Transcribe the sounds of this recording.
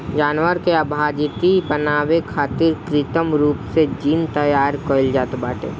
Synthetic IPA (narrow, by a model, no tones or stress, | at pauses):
d͡ʒaːnwəɾkeəbʱaːd͡ʒɪt̪ipənaːʋekʰaːt̪ɪɾkɾɪt̪əmɾuːpsed͡ʒiːnt̪əjaːɾkoːɪld͡ʒaːt̪baːʈḛː